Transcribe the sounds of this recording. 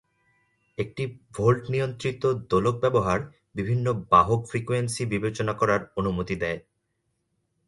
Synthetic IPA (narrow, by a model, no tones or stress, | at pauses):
ek̚ʈibʱolʈnijont̪ɾit̪od̪olok̚bɛboɦaɾ | bibʱinːobaɦokfɾikuensibibet͡ɕonakɔɾaɾonumot̪id̪ɛe